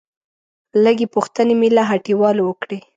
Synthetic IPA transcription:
ləɡepuxt̪ənemelaɦaʈiwɑlowəkɽe

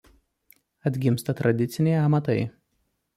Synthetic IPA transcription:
ɐd̪ʲɡʲɪmst̪ɐt̪ɾɐd̪ʲɪt̪sʲɪnʲɛɪɐmɐt̪ɐɪ

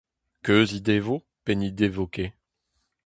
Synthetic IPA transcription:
køzid̪evo | penid̪evɔkʲe

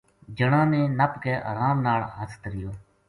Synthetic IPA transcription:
d͡ʒəɳãːnẽːnəpkeːʔəːɾaːmnaːɭɦəst̪ɾɪjoː

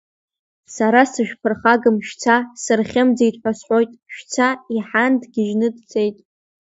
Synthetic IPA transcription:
saɾasɨʃᶣpʰɨrχaɡɨmʃᶣt͡sʰasɨrχʲɪmd͡zejtʼħʷᶣasħʷojtʼʃᶣt͡sʰaiħandɡʲɪʒnɨdt͡sʰʼe̞jtʼ

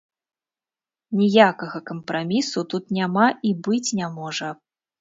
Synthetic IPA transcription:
nʲijakɐɣɐkɐmpɾamʲisut̪ut̪nʲamaʔibɨt͡sʲnʲamɔʐɐ

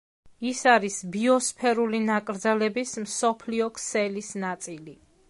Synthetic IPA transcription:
isaɾisbiɔspʰɛɾulinakʼɾd̪zɛlɛbismsɔpʰliɔkʰsɛlisnat̪sʼili

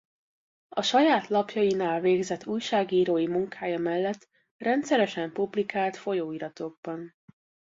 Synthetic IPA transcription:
ɒʃɒjaːt̪lɒpjɒjinaːlveːɡzɛt̪ːuːjʃaːɡiːɾoːjimuŋkʰaːjɒmɛlːɛt̪ː | rɛnt̪sɛɾɛʃɛmpublikaːlt̪fo̞joːiɾɒt̪o̞ɡ̚bɒn

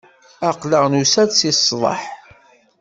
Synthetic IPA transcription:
aqləʁnusædsisˤːðˤɑ̰ħ

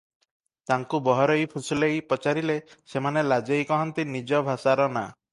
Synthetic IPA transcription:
t̪aŋkubɔɦɔɾɔjpʰusulejpɔt͡ʃaɾilesemanelad͡ʒejkɔɦɔnt̪inid͡ʒɔbʱasaɾɔna

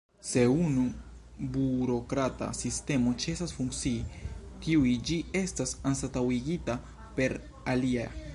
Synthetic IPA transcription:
se̞unu | buɾo̞kɾata̰siste̞mo̞t͡ʃe̞sasfuŋkt͡siːtiuid͡ʒie̞stasansatawiɡita | pe̞ɾ | alia

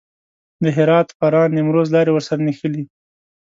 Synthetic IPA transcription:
d̪əɦɪɾɑt̪paɾɑnːɪmɾozlɑɾewəɾsaɾanixəli

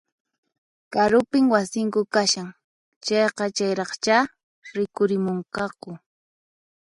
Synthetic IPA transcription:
kaɾʊpɪŋwasɪŋkʊkaʃaŋ | t͡ʃɑjqɑt͡ʃajɾɑχt͡ʃa | ɾɪkʊɾɪmoɴqɑkʊ

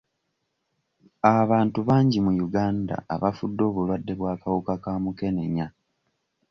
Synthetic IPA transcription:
aβaːntuβaːɲɟimujuɡaːnda̰ːβafudːo̞ːβulwadːe̞βwaːkawukakaːmuke̞ne̞ɲa

